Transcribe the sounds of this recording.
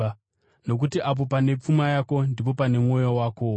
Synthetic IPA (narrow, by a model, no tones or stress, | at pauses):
no̞k̬utiʔap̬o̞pane̞p͡fumajako̞ndip̬o̞pane̞mwo̞jowaːko